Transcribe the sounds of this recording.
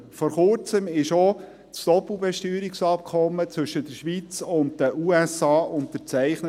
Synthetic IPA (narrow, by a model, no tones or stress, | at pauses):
fɔːɾχʊɾt͡səmɪʃo | t͡stɔpl̩ˠbɛʃtyːɾiksɑp̚kʰɔmːət͡svɵʃəd̥əɾʃʋit͡sʊnt̚dəʔuːɛsɑːʔʊnttəɾt͡sæɪχnə